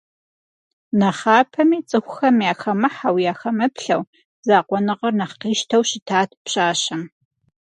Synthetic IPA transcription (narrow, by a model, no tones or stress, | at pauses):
nɐχaːpʰɐmiːt͡sʼɨxʷʊxɐmjaːxɐmɨħawjaːxɐmɐpɬɐw | zaːqʷɔnɨʁɐrnɐχqiːʃtʰɐwɕɪtʰaːtʰpɕaːɕɐm